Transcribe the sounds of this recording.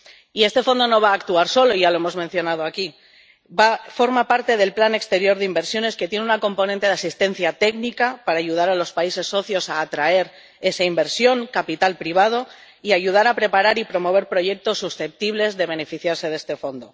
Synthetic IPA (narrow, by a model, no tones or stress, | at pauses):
ie̞st̪e̞fo̞nd̪o̞no̞β̞aːkt̪uaɾso̞lo̞iʝaloe̞mo̞zmẽn̟θjo̞nað̞o̞aki | bafo̞ɾmapaɾt̪e̞ð̞e̞lplanekst̪e̞ɾjo̞ɾðeimbe̞ɾsjo̞ne̞ske̞t̪je̞nunako̞mpo̞nent̪e̞ðasist̪ẽ̞n̟θjat̪e̞knikapaɾaːʝuð̞aɾalo̞spaise̞sːo̞θjo̞saːt̪ɾae̞ɾ | e̞saimbe̞ɾsjo̞ŋkapit̪alpɾiβ̞að̞o̞ | iaʝuð̞aɾapɾe̞paɾaɾipɾo̞mo̞β̞e̞ɾpɾo̞ʝe̞k̚t̪o̞sːusθe̞p̚t̪iβle̞zðe̞β̞e̞ne̞fiθjaɾse̞ðe̞st̪e̞fo̞nd̪o̞